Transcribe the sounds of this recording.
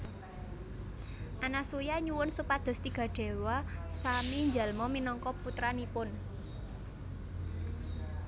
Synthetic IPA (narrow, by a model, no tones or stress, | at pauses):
ʔanasujaɲuwʊnsupad̪̥ɔ̤st̪iɡ̥ä̤ɖ̥e̤wasamiɲd͡ʒalmɔminɔŋkɔput̪ɾanipʊn